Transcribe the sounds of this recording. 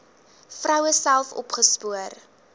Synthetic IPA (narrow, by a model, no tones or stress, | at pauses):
frœwəsælˠfɔ̰pχəspuər